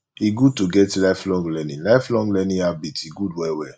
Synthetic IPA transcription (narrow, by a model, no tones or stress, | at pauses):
iɡud̚tuɡɛtlaɪflɔ̃ŋɡlɛnĩlaɪflɔ̃ŋɡlɛnĩabitiɡudwɛwɛ